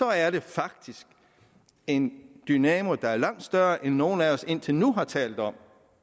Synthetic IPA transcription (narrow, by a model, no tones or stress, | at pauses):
sɒ̽æɐɾ̥e̝fɑ̈ɡ̥̚d̥isɡ̥ | e̝nd̥ynɛːmo̝d̥ɑ̈æɐlɑ̈ŋ̰d̥sd̥ɶɐʔenːo̝ːn̩æɒ̽se̝n̰t͡sʰe̝lnuɦɑ̈t͡sʰɛ̰ːld̥ɒ̽m̰